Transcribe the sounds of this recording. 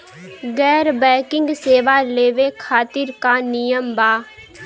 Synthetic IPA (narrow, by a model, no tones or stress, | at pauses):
ɡɛːɾbɛːkɪŋɡseːʋaːleːʋeːkʰaːt̪ɪɾkaːnɪjəmbaː